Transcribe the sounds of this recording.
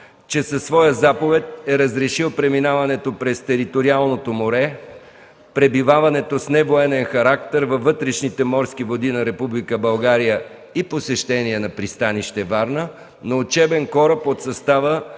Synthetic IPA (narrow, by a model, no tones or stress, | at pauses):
t͡ʃɛsɐsːvɔjəzapovɛt̪̚ɛɾəzɾɛʃilˠpɾɛminavɐnɛt̪opɾɛst̪ɛɾit̪oɾialˠnot̪omoɾɛ | pɾɛbivavɐnɛt̪osnɛvoɛnɛnxɐɾakt̪ɛɾvɐvːɤt̪ɾɛʃnit̪ɛmɔɾsk̟ivod̪inɐɾɛpublikəbɐlˠɡaɾijə | iposɛʃt̪ɛniɛnɐpɾist̪aniʃt̪ɛvaɾnə | noːt͡ʃɛbɛnkɔɾəpot̪sɐst̪avə